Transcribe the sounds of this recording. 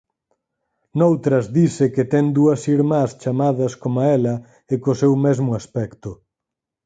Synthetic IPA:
nowt̪ɾɐzðisɪket̪ɛŋd̪uɐsiɾmast͡ʃamaðɐskomaɛlɐ | ekʊsewmɛzmʊaspɛkt̪ʊ

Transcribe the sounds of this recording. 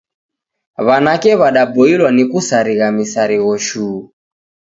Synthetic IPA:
βanakɛβaɗabɔilwanikusaɾiɣamisaɾiɣɔʃuː

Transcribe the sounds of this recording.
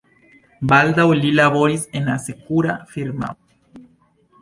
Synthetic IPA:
bald̪awlilaβo̞ɾisenasekuɾafiɾma̰

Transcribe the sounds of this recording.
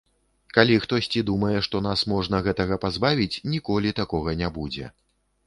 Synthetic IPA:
kalʲixt̪ɔsʲt͡sʲid̪umɐjɛʂt̪ɔnasmɔʐnɐɣɛt̪ɐɣɐpazbavʲit͡sʲnʲikɔlʲit̪akɔɣɐnʲabud͡zʲɛ̰

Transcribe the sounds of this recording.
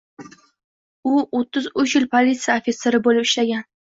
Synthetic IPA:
ʊot̪ʰːɪzʊt͡ʃjɪlpʰolit̪sɨjaofʲeseɾɪbolɪpɪʃlaɡʲan

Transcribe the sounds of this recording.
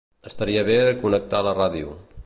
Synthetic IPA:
əst̪əɾiəβeðəkunək̚t̪aləraðiu

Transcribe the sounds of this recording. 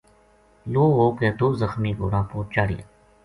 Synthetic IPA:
loːɦoːkeːt̪oːzəxmiːɡo̰ːɾãːpoːt͡ʃaːɽḭa̰

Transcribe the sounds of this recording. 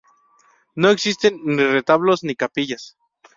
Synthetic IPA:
noeksist̪enːiret̪aβlosnikapiʝas

